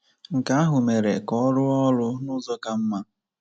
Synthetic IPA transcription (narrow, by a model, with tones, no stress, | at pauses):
ŋ̩˨ka˦a˦ɦʊ˨me˨ɾe˨kɔ˦ɾʊ˦ɔ˦lʊ˦nʊ˦zɔ˦ka˦m̩˦ma˦